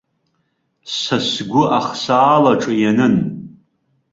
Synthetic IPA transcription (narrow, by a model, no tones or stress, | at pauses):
sasɡʷʊʔaχsaːlaʈ͡ʂʼɨjanɨn